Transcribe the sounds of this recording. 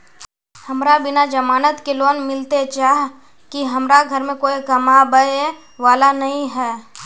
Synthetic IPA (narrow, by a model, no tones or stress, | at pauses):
hɐmɾabɪnad͡ʒɐmaːnət̪keloːnmɪlt̪et͡ʃaːɦ | kiɦɐmɾaɡʱəɾmẽkoːikɐmabəe | ʋaːlanɐɦĩɦɛː